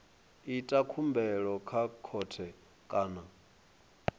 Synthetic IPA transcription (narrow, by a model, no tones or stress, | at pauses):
itʼakʰumbɛɺɔkʰakʰɔtʰɛ | kʼaːna